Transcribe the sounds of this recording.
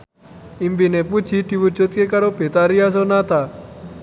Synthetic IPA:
imbineput͡ʃʰit̪iʋut͡ʃot̪̚kekaɾopet̪aɾijas̬onat̪a

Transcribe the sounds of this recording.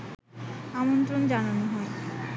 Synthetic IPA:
amont̪ɾond͡ʑananoɦɔe

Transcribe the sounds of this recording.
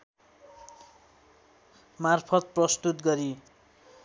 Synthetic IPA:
marpʰʌt̪̚prʌst̪ut̪ɡʌɾi

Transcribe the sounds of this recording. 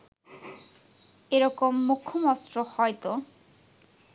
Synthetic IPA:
eɾɔkomːukʰːomɔstɾohɔjt̪o

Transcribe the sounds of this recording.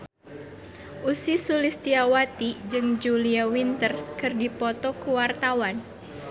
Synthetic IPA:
ʔusisulist̪iawat̪id͡ʒɨŋd͡ʒuliawint̪ərkɨrdipɔt̪ɔkuwart̪awan

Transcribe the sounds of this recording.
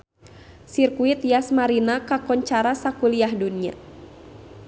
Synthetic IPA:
sirkuit̪jasmaɾinakakɔɲt͡ʃaɾasakuliaɦdunia̰

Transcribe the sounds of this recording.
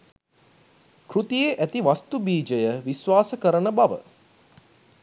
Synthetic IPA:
krut̪ijeʔæt̪iʋast̪ubiːd͡ʒəjəʋisʋaːsəkəɾənəbaʋə̰

